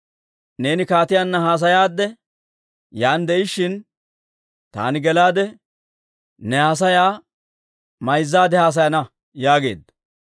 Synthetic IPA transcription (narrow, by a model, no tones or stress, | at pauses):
ne̞ːnɪkaːt̪ɪjaːnːɐhaːs̬ɐjaːd̪ːɛ | jaːnd̪ɛʔɪʃːɪn | t̪a̰ːnɪɡɛlaːd̪ɛ | nɛhas̬ɐjaː | mɐjzːaːd̪ɛhaːs̬ɐjɐnɐ | jaːɡe̞̰ːd̪ːɐ̥